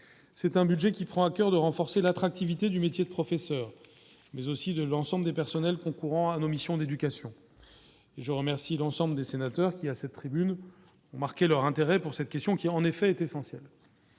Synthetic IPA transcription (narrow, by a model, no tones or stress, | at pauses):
sɛt̪ɛ̃byd̪ʒɛkʲipχɑ̃akʲœʁd̪əʁɑ̃fɔʁselat̪χak̚t̪ivit̪ed̪ymet̪jed̪əpχɔfɛsœːʁ | mɛzosid̪əlɑ̃sɑ̃bləd̪epɛʁsɔnɛlkɔ̃kuʁɑ̃anomisjɔ̃d̪ed̪ykʲasjɔ̃ | eʒəʁəmɛʁsilɑ̃sɑ̃bləd̪esenat̪œʁkʲiasɛt̪ːχibyn | ɔ̃maʁkʲelœʁɛ̃t̪eʁɛpuʁsɛt̪̚kʲɛst̪jɔ̃kʲiɑ̃nefɛːt̪esɑ̃sjɛl